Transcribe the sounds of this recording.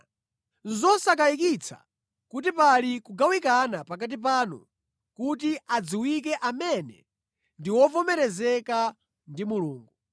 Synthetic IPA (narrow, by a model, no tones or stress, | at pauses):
zɔsak̬ajikit͡sʰa̰ | kutipalikuɡawikanapakat̬ip̬aːnṵ | kut̬iad͡ziwik̬ɛʔamɛnɛ̰ | ndiwɔvɔmɛɾɛzɛka | ndimuluːŋɡu